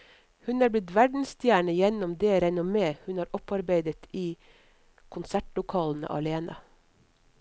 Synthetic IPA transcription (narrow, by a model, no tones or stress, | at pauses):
hʉnɑːɾblɪt̪ʋæɖɳ̩st̪jæːɳəjɛnɔmd̪eːɾɛnʊmeːhʉnhɑːɾʔɔpɑɾbeɪd̪ət̪ʰiː | kʰʊnsæʈlʊkʰɑːln̩ə̰ʔɑ̰leːnɑ̰